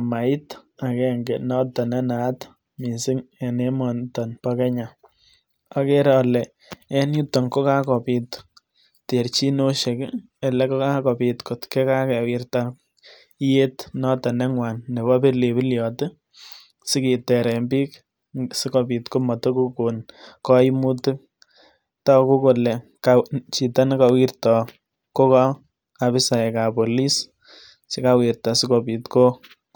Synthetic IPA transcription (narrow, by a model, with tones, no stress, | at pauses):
ma˨ɪ˦ta˨kɛ˦ŋɡɛ˨nɔ˦tɔ˨nɛ˦na˨t | mi˨sɪ˦ŋe˨ne˦mɔ˨ntɔ˨npakɛ˦ɲa˨ | a˨ke˦ɾɔlɛ˨ | ɛ˦nju˦tːɔ˨ŋko˦ka˦kɔ˨pi˨t | te˨ɾt͡ʃi˦no˦ʃe˨k | ɛ˨lɛ˦ko˦ka˦kɔ˨pitko˨tkɛ˦ka˦kɛ˨wɪ˦ɾta˦ | i˦je˦tnɔ˦tɔ˨nɛ˦ŋwa˨nːe˨bɔ˦pe˦le˨pi˦ljɔ˨tɪ˦ | sɪ˦ki˨tɛ˨ɾɛ˨mbi˦k | sɪ˦ko˨pi˨tko˦mɔ˨to˦ku˦ko˨nkɔ˦i˦mutu˦k̚ | tɔ˦ku˦ko˨lɛ˨kat͡ʃi˨ta˦nka˨wi˦rtɔ˨ | ko˦ka˦ | a˨βɪ˦sa˨ɛ˨ka˨po˨li˦s | t͡ʃe˦kawi˨rtɔ˨sɪ˦ko˨pi˨tko˦